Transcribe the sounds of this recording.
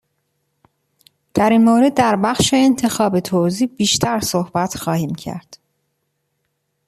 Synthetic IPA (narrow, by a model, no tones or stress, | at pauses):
d̪̥æɾiːnmoːɾe̞d̪ːæɾbæχʃeːnt̪ʰe̞xɒːbe̞t̪ʰoːziːbiːʃt̪ʰæɾsohbæt̪ʰxɒːhiːmcʰæ̰ɾd̪̥